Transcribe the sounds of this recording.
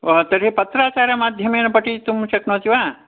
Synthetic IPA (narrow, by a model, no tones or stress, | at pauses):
t̪ɐɾɦepɐt̪ːɾaːt͡ʃaːɾɐmaːd̪ʱjɐmeːnɐpɐʈit̪umʃɐknoɦt̪iʋaː